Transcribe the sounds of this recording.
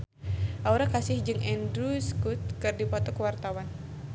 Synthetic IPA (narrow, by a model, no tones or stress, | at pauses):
ʔauɾakasɪhd͡ʒɨŋʔɛndɾuskut̪̚kɨrdipɔt̪ɔkəwart̪awan